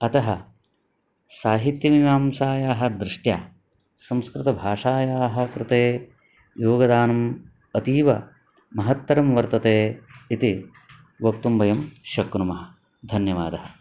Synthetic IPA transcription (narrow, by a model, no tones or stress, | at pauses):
ɐt̪ɐɦɐ | saːɦit̪jɐʋimaːmsaːjaːɦɐ̆d̪ɾɪʂʈjaː | sɐ̃mskɾɪt̪ɐbʱaːʂaːjaːɦɐ̆kɾɪt̪eː | joːɡɐd̪aːnɐm | ɐt̪iːʋɐ | mɐɦɐt̪ːɐɾɐmʋɐɾt̪ɐt̪eːit̪i | ʋɐk̚t̪umbɐjɐmʃɐkɾumɐɦɐ | d̪ʱɐnjɐʋaːd̪ɐhɐ